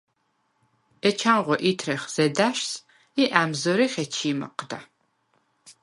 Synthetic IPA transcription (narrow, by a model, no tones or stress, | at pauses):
ɛt͡ʃʰaːnʁʷɔʔitʰrɐχz̥ɐdaːʃs | iʔaːmzoɾiχʲɐt͡ʃʰiːmɐ̰qda̰ː